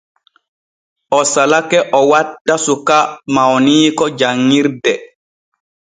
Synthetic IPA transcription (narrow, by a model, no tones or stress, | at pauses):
ʔɔsalakɛʔɔwadːasukamawniːkɔd͡ʒaŋːiɾdɛ